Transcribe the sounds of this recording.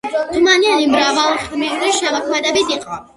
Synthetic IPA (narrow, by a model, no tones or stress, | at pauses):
t̪ʰumanianimɾavalˠχmit̪ɾiʃamɔkʰmɛd̪abid̪iqʼ